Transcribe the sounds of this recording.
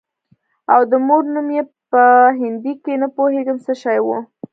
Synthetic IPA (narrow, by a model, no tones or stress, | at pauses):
awd̪əmoɾnumjepəɦɪnd̪ikenəpoheɡəmsəʃɑjwu